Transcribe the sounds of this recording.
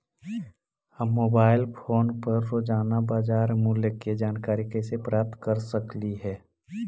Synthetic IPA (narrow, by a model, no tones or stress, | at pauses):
həmːoːbaːɪlpʰoːnpɐɾːoːd͡ʒaːnabaːd͡ʒaːɾmuːljəked͡ʒaːnkaːɾikɛsepɾaːp̚t̪kəɾsəkliɦɛː